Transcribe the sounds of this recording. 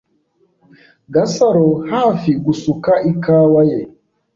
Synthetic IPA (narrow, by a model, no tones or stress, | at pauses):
ɡasaɾɔhafiɡusukaʔikaːwajɛ